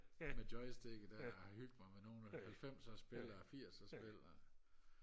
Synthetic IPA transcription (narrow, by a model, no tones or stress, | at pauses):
med̥ɒ̽ɪsd̥eɡ̥əd̥æhɑ̈hyl̰d̥̚mɑ̈ɪmeno̝ːn̩hælfem̰sɒsb̥e̝lɐɐfiɐ̰sɒsb̥elɐ